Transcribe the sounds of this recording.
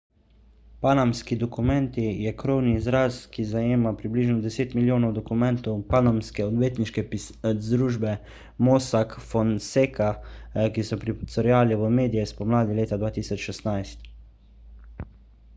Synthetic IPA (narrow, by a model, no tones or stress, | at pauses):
panamskid̪ɔkumɛnt̪ijɛkɾowniːzɾaskizajeːmapɾibliːʒnɔd̪ɛseːt̪miljoːnɔwd̪ɔkumɛnt̪ɔwpanamskɛɔd̪ʋeːt̪niʃkɛpzd̪ɾuːʒbɛ | mosakfɔnseːkakisɔpɾit̪sɔɾjaːliʋəmeːd̪ijɛspɔmlaːd̪ileːt̪ad̪ʋaːt̪iːsɔt͡ʃʃɛst̪najst̪